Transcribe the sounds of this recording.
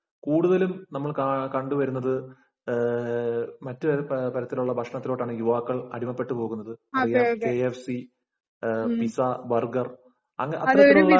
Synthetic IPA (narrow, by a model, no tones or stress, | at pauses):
kuːɽuðɐlumnɐmːɐɭkkɐɳɖuʋɐɾunːɐðɨ | mɐtːɨɐpɐɾɐt̪ːiluɭːɐbʱɐkʂɐɳɐt̪ːilo̞ːʈːaːɳɨjuʋaːkːɐɭɐɽimɐpːe̞ʈːɨpo̞ːɣunːɐðɨɐrijakeefsi | pisabɐrɡɐr | ɐŋːɐʔɐt̪ɐɾɐtːuɭːɐ